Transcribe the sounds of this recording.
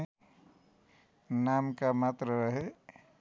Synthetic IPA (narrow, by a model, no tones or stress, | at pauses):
naːmkamaːt̪ɾəɾəɦe